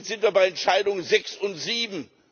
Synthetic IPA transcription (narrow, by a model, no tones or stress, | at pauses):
z̥ɪntv̥iɐbaɪɛntʃaɪdʊŋənzɛksʊntz̥iːbm̩